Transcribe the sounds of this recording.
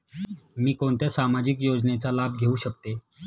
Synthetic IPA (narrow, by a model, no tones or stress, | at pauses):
miːkoɳt̪jasamad͡ʑikjod͡znet͡salabʱɡʱeuːɕək̚t̪e